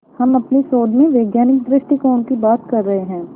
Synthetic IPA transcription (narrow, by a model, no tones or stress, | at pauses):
hɐmɐpnisoːd̪mẽʋeːɡjaːnɪk̚d̪ɾɪʃʈikɔːnkibaːt̪kɐɾːɐɦeɦɛ̃ː